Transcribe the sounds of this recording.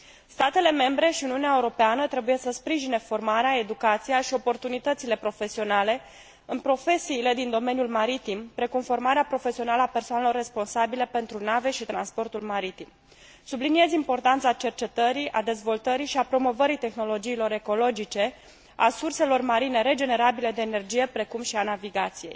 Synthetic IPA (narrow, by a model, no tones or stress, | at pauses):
st̪at̪e̞le̞me̞mbɾe̞ʃiuniuneaeuɾo̞peanət̪ɾe̞buje̞səspɾiʒine̞fo̞rmaɾeae̞d̪ukat̪sijaʃio̞po̞rt̪unit̪ət̪sile̞pɾo̞fe̞sio̞nale̞ | ɨnpɾo̞fe̞siːle̞d̪ind̪o̞me̞njulmaɾit̪impɾe̞kumfo̞rmaɾeapɾo̞fe̞sionaləape̞rsoanelo̞rːe̞spo̞nsabile̞pe̞nt̪ɾunave̞ʃit̪ɾa̰nspo̞rt̪ulmaɾit̪im | sublinije̞zʲimpo̞rt̪ant̪sat͡ʃe̞rt͡ʃe̞t̪əɾiʔa̰d̪e̞zvo̞lt̪əɾiʃiapɾo̞mo̞vəɾit̪e̞xno̞lo̞d͡ʒiːlo̞ɾe̞ko̞lo̞d͡ʒit͡ʃe̞ | a̰surse̞lo̞rmaɾine̞ɾe̞d͡ʒe̞ne̞ɾabile̞d̪e̞ːne̞rd͡ʒije̞pɾe̞kumʃianaviɡat̪sije̞j